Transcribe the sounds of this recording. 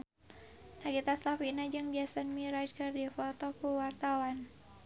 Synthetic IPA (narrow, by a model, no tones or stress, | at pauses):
naɡit̪aslafinad͡ʒɨŋd͡ʒasanmiɾad͡ʒkardifɔt̪ɔkuwart̪awan